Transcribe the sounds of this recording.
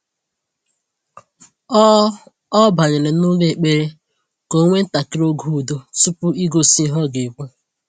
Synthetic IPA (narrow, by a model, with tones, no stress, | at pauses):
ɔ˦ba˨ɲɪ˨lɪ˨nʊ˦le˦˨k͡pe˦ɾe˦ | ko˦ŋʷe˦n̩˦ta˨ki˦ɾo˦ɡu˦˨do˦su˦pʊ˦i˦ɡo˦si˦ɦɔ˦ɡe˨bu˦